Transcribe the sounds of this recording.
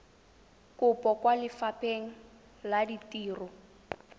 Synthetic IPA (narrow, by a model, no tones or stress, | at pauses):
kʊpʼɔkwalɪfapʼeŋ̩ | laditiːrɔ